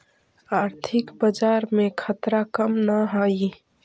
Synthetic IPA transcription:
aːɾt̪ʰɪkbəd͡ʒaːɾmẽkʰət̪ɾakəmnaɦaːi

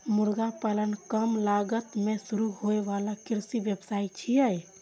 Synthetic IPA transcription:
muɾɡapələnkəmlaɡət̪mesuɾuɦoeʋalakiɾsibjəbsait͡ʃʰijəj

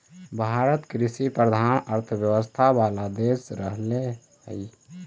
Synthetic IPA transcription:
bʱaɾət̪kɾisipɾəd̪ʱanəɾt̪ʰəbjəwəst̪ʰawalad̪esɾəɦle | hə̰j

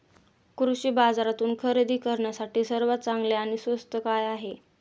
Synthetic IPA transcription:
kɾuɕiːbad͡zaɾat̪uːnkʰəɾed̪iːkəɾɳjasaʈiːsəɾʋat̪̚t͡saŋɡleaɽ̃isʋəst̪əkajaɦe

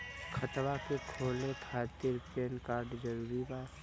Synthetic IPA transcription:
kʰət̪ʋakekʰoːlekʰaːt̪ɪɾpeːnkaːɾɖd͡ʒəɾuːɾibaː

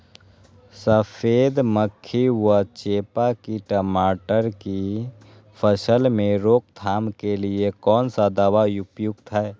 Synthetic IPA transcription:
səpʰeːd̪məkʰːiwat͡ʃeːpakiʈəmaːʈəɾki | pʰəsəlmẽɾoːk̚t̪ʰaːmkeliekɔːnsad̪aːwaʊpjʊɡ̚t̪ʰaɛ

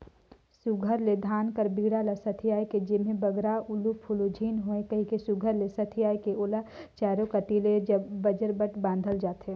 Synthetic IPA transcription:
suɡʱəɾled̪ʱaːnkəɾbiɡɽalasɐt̪ʰijaːjked͡ʒɪmẽbəɡɾaʊlupʰulod͡ʒʱiːnɦoẽkɐɦĩkesuɡʱəɾlesɐt̪ʰijaːjkeolat͡ʃaːɾokaʈiled͡ʒɐbːɐd͡ʒəɾbəʈbãːnd̪ʱəld͡ʒaːt̪ɦe

